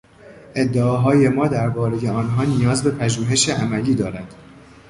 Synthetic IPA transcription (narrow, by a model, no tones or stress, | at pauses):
ʔe̞d̪ːeɒːɦɒːje̞mɒːd̪æɾbɒːɾe̞je̞ɒːnɦɒːnijɒːzbe̞pʰæʒuːɦe̞ʃeʔæmæliːd̪ɒːɾænd̪̥